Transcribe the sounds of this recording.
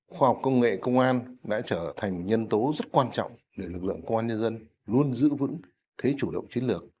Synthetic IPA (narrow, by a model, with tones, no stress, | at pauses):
xwaː˧hwk͡p̚kə˧wŋ͡mŋḛ˧˨kə˧wŋ͡mʔaː˧nɗa̰ː˧˥t͡ɕəː˧˩t̪ʰa˨˩jŋ̟mo˨˩ɲə˧nt̪o˨˦zə˦˥t̚kwaː˧nt͡ɕɔ̰˧˨wŋ͡m | ɗe˧˩lɨ˨˩k̚lɨ̰˧˨ə˨ŋkə˧wŋ͡mʔaː˧nɲə˧nzə˧n | lu˧ənzɨ̰˧˥vɨ̰˧˥ŋ | t̪ʰe˨˦t͡ɕu˧˩ɗə̰˧˨wŋ͡mt͡ɕi˨˦nlɨ˨˩ək̚